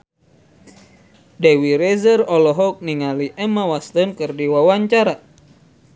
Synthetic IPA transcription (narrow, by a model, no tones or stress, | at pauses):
dewiɾezərɔlɔɦɔk̚niŋaliʔɛmawast̪ənkɨrdiwawaɲt͡ʃaɾa